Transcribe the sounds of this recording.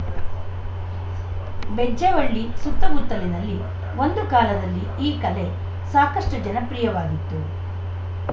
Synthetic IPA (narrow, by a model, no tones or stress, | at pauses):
bed͡ʒeʋɐɭːisut̪ːɐmut̪ːɐlinɐlːi | o̞nd̪ukaːlɐd̪ɐlːi | iːkɐle̞ | saːkɐʂʈɐd͡ʒɐnɐpɾijɐʋaːɡit̪ːu